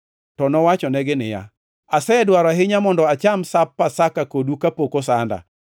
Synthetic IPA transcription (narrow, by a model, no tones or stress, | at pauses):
tɔnɔwat͡ʃɔnɛɡɪnɪja̰ | asɛɛdwaɾaɦɪɲamɔndɔat͡ʃamsapːasakakodukapokosanda̰